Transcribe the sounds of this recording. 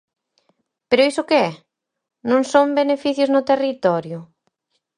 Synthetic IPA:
peɾʊisʊkeɛ | nõŋsombenefiθjʊznʊt̪erit̪ɔɾjʊ

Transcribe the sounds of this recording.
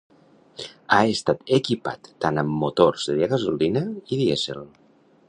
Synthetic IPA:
aest̪at̪ekipa̰t̪ːanəmːut̪orz̥ðeðiaɣəzolinaiðiesḛl

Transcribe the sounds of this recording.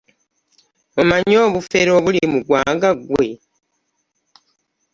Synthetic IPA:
omaɲo̞ːβufe̞ɾo̞βulimuɡwaːŋɡaɡwe̞

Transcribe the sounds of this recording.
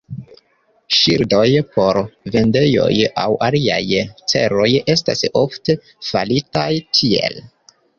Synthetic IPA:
ʃiɾdo̞jpo̞ɾve̞nde̞jo̞̰jawʔaliajt͡se̞ɾo̞je̞s̬ta̰softe̞ | fa̰litajtʰie̞̰l

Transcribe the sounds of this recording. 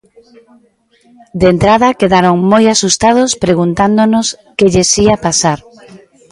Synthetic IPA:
d̪ent̪ɾaðɐkeðaɾoŋmojasust̪að̞ʊspɾeɣunt̪and̪onʊskeʎesiapasaɾ

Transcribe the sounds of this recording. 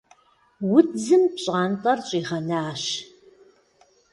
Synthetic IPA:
wʊd͡zɨmpɕʼaːntʼɐrɕʼiːʁɐnaːʃ

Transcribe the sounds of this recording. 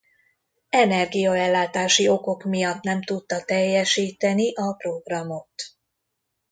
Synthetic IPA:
ɛnɛrɡijɒɛlːaːt̪aːʃio̞ko̞kmijɒt̪nɛmt̪ut̪ːɒt̪ɛjːɛʃiːt̪ɛniʔɒpro̞ɡrɒmo̞t̪

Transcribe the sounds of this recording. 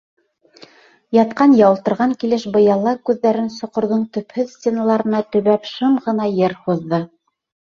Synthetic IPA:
jɑt̪qɑnjɑwɤ̆lˠt̪ɤ̆ɾʁɑŋkilɘʃbɤ̆jɑlˠɑkʉðːæɾɘnsŏqŏɾðɤɴt̪ɵ̆phɵðsʲtʲenɑlˠɑɾɤ̆nɑt̪ɵ̆βæpʃɤmʁɤ̆nɑjɘɾhuðːɤ

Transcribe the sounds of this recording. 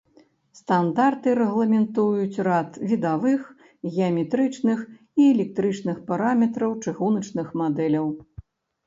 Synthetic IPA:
st̪and̪art̪ɨɾɛɣlˠɐmʲɛnt̪ujut͡sʲrat̪vʲid̪avɨx | ɣʲɛɐmʲɛt̪ɾɨt͡ʂnɨx | iɛlʲɛk̚t̪ɾɨt͡ʂnɨxpaɾamʲɛt̪ɾɐwt͡ʂɨɣunɐt͡ʂnɨxmad̪ɛlʲɐw

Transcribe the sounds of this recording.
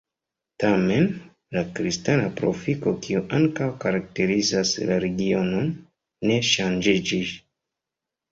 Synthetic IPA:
tame̞n | lakɾistanapɾo̞̰fiko̞kiuʔaŋkawkaɾak̚te̞ɾizaslaɾe̞ɡio̞no̞nː | e̞ʃand͡ʒid͡ʒis

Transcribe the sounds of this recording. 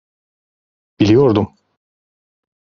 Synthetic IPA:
b̥ilʲijoɾd̪um

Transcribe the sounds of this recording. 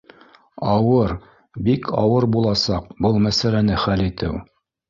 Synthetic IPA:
ɑwɤɾ | bikʰɑ̰wɤɾbulˠɑsɑqbɤlˠmæsælænɘχælit̪ɘ̰w

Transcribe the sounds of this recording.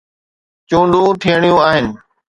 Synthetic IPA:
t͡ɕũːɳɖũt̪ʰijəɽ̃ijũaːɦɪnɪ̆

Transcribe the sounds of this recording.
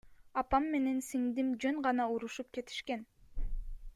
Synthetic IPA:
ɑpɑmːe̞ne̞nsiŋd̪imd͡ʒøŋɢɑnɑuɾuʃup̚ke̞t̪ʰi̥ʃke̞n

